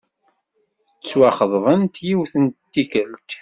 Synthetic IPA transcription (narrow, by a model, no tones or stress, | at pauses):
t͡sːwaχəðˤðˤənt̪jiwθəntt̪ːikəlt̪